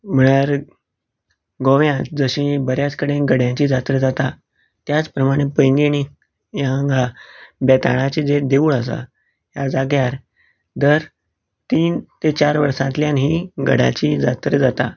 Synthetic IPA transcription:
m̤əɳaɾ | ɡoʋjãt̪d͡zəɕĩbəɾjat͡skəɽeɡəɽjãt͡ɕiːd͡zat̪ɾəd͡zat̪a | t̪jat͡spɾəmaɽ̃epəjŋɡiɽ̃i | jãŋɡabɛt̪a̰ɽ̃at͡ɕid͡zed̪euːɭəsa̰ | ɦjad͡zaɡjaɾ | d̪əɾ | t̪iːnt̪et͡ɕaɾʋəɾsãnt̪ljanɦiɡə̰ɽa̰t͡ɕiːd͡za̰t̪ɾəd͡zat̪a

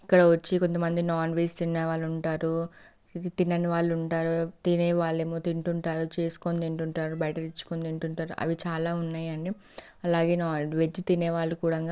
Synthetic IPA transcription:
ikːɐɽɐʋɐt͡ʃːiko̞nt̪̬ɐmɐnd̪inaːnʋeːst̪inːeʋaːɭːuɳʈaːɾu | t̪inːɐniʋaːɭːuɳʈaːɾut̪ineːʋaːɭːeːmoːt̪iɳʈuɳʈaːɾut͡ʃe̞ːsu̥kond̪eɳʈuɳʈaːɾubɐjʈɐlit͡ʃːu̥kond̪eɳʈuɳʈaːɾuʔɐ̰ʋit͡ʃaːlaːunːaːjɐɳɖi | ɐlaːɡe̞ːnaːʋe̞d͡ʒit̪ineːʋaːɭːukuːɽɐŋɡaː

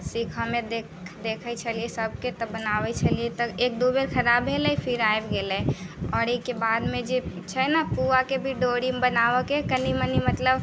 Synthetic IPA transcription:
sikɦəmed̪ekʰ | d̪ekʰət͡ʃʰəliesəb̚ket̪ɔbənaʋɛt͡ʃʰəliet̪ɔek̚d̪obeɾkʰəɾabʱɦelɛjpʰiɾaebɡelɛɔːɾekebad̪mẽd͡ʒet͡ʃʰɛnapuakebʱiɖoɾimbənaʋəkekənimənimət̪ləb

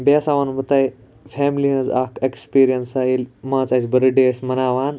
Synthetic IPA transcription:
baːsaːʋanbɐt̪aːj | fʰɛːmliɦɐ̃za̰ːkʰekspiːɾijɐnsaːjilmãːt͡saːsʲbɐɾɐɖesmɐnaːʋaːn

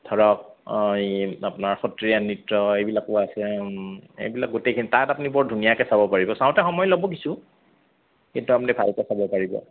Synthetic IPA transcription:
tʰɔɹɔk̚iapʊnaɹxɔtɹijanɹitɹɔejbilakɔasɛ | ḛjbilak̚ɡutejkʰinitatapunibɔɹdʱunijakɛsabɔpaɹibɔsaʊ̃tɛxɔmɔjlɔbɔk̬isu | ejtuapunibʱalkɛsabɔpaɹibɔ̰

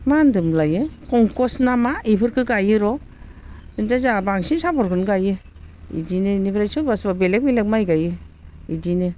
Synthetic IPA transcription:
mandɯmlajɯkɔŋkɔsnamaipʰɯɾkʰɯɡajɯɾɔ | indazabaŋsinsabɔɾkɯnɡajɯ | ḭdinenibʰɾajsubasbabelek̚bilek̚majɡajɯidine

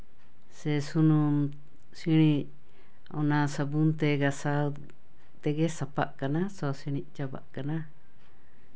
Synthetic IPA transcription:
sesunũ | sinĩ | o̰nãsabunt̪eɡasa | t̪eɡesapa̰ʔkanasosiñĩʔt͡ʃaba̰ʔkana

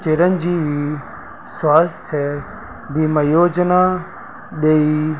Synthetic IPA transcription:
t͡ʃeɾənd͡ʒiːʋi | swaːst̪ʰɛː | biməjoːd͡ʒna | ɗei

